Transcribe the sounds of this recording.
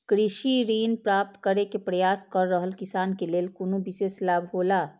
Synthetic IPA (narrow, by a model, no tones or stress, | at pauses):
kɾiʃiɾiːnpɾap̚t̪kəɾekepɾəjaskəɾːəɦəlkisaːnkeleːlkonubiseːslaːbʱɦola